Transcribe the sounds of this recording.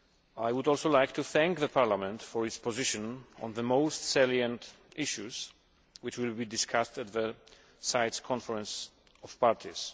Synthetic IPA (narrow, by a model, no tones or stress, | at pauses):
ajwʊdɔlˠsolajk̚t̪uθæ̃ŋkðəpʰaɹlamɛ̃ntfɔɹɪtspɔzɪʃɔ̃nɔ̰̃nðəmoʊstsɛljãnt | ɪʃuz̥ | wɪt͡ʃwɪlbidɪskʰastæt̪ðə | sajtskʰɔ̃nfəɹɛ̃ns | ɔfpaɹtʰiz̥